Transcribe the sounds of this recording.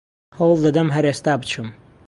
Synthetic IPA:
howlˠd̪ɐd̪ɐmɦɐɾest̪aːbɨt͡ʃʰum

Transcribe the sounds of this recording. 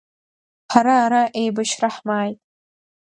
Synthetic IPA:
ħaɾaːɾaʔejbaʃraħmaːjtʼ

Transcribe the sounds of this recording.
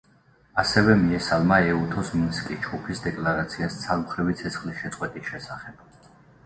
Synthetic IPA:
asɛvɛmiɛsalˠmaɛut̪ʰɔsminskʼid͡ʒɡupʰisd̪ɛkʼlaɾat̪sʰiast̪sʰaɾmχɾivit̪sʰɛt̪sʰχliʃɛt̪sʼqʼwɛt̪ʼiʃɛsaχɛb̥

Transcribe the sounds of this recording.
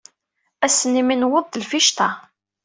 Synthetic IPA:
æsənːiminwəðˤəlfiʃt̪ɑ

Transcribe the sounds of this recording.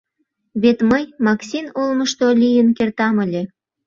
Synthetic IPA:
βet̪məjmɑksʲinolməʃt̪olʲijənkert̪ɑməlʲe

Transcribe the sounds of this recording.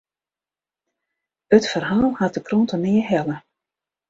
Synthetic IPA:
ətfərɦaːlˠhat̚dəkrontənɪːəɦɛlə

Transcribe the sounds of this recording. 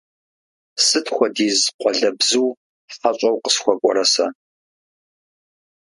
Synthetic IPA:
sɨtʰxʷɔdiːzqʷɔɮɐbzuw | fat͡ʃʷʼɐwqə̥sxʷɔkʷʼɔ̰ɾɐsɐ̰

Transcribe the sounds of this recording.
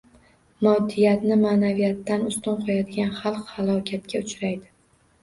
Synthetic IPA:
mɒd̪ːijat̪nɪmaːnavijat̪ːanʊst̪ɒnqʰɒjad̪ɪɡʲanχɑlˠqhalˠɒkʲʰat̪kʲaʊt͡ʃɾajd̪ɪ

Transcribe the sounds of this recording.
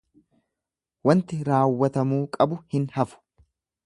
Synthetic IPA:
wɐnt̪ɪɾaːwːɐt̪ɐmuːkʼɐbʊhɪnhɐfʊ̥

